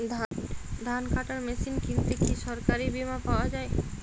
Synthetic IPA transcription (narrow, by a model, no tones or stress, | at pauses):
d̪ʱad̪ʱankʰaʈaɾmesinkint̪ekiʃɔɾkaɾibimapawad͡ʑae